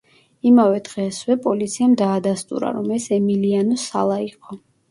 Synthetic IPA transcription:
imavɛd̪ʁɛswɛpʼɔlit̪sʰiamd̪aːd̪ast̪ʼṵɾa̰ɾɔmɛsɛmilianɔsa̰lˠaiqʼɔ

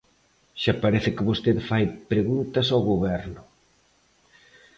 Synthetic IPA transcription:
ʃapaɾeθɪkɪβost̪eðfajpɾeɣunt̪ɐsawɣoβɛɾnʊ

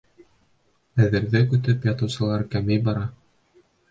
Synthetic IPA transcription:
æðɘ̆ɾðɘkʉ̆t̪ɘpjɑt̪ɤ̆wsɤ̆lˠɑɾkæmɘjbɑɾɑ

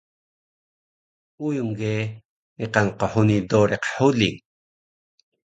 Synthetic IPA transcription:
ujumɡe | niqanqoħunidoɾeqħuliŋ

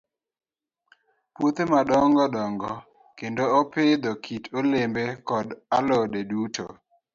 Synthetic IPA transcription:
pwot̪maɗɔŋɡɔdɔŋɡɔ | kendoopɪd̪ɔkʰitʰolembekɔdalɔdedutʰo̰

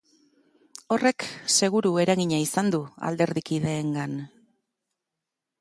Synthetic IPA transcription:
o̞re̞kse̞ɣ̞uɾue̞ɾaɣiɲaisand̪ua̰ld̪e̞ɾðikið̞e̞ːŋɡan

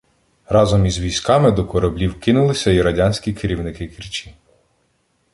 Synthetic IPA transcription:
rɑzɔmizʋʲijsʲkɑmɪd̪ɔkɔɾɐblʲiwkɪnʊlˠɪsʲɐiɾɐdʲɑnʲsʲkʲikʰɪɾʲiwnɪkɪkirt͡ʃʲi

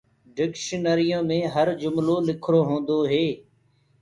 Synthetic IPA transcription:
ɖɪkʃənəɾɪjõːmẽːɦəɾd͡ʒʊmloːlɪkʰɾoːɦõːnd̪oːɦeː

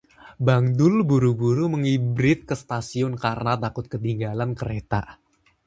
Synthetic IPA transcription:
baŋd̪ʊlbuɾubuɾuməŋibɾɪt̪̚kəst̪asiʊnkarnat̪akʊt̪̚kət̪iŋɡalankəɾet̪a̰

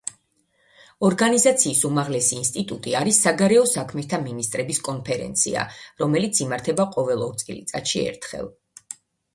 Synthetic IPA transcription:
ɔɾɡanizat̪sʰiːsumaʁlɛsiːnst̪ʼit̪ʼut̪ʼiaɾisːaɡaɾɛɔsakʰmɛst̪ʰaminist̪ʼɾɛbiskʼɔnpʰɛɾɛ̰nt̪sʰḭa̰ɾɔmɛlit̪sʰimaɾt̪ʰɛbaqʼɔvɛlˠɔɾt̪sʼḭlḭt̪sʼat̪ʃiɛ̰ɾt̪ʰχɛ̰lˠ

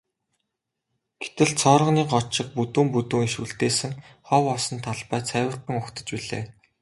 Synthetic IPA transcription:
ɡ̥e̥t̪ɘ̆ɮt͡sʰɔːɾə̆niːɢɔt͡ɕɪ̆q̚put̪uːmput̪uːŋiʃuɬt̪eːsɘ̆ŋχɔːwɔsɞ̆nt̪ʰaɮpæːt͡sʰæːwə̆r̥t̪ə̆ŋʊxt̪ə̆t͡ɕpiɮḛː

